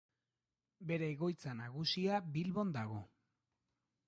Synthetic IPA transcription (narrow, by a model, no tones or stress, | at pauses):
be̞ɾe̞ːɣo̞jt͡sanaɣ̞usiabilβo̞nd̪aɣ̞o̞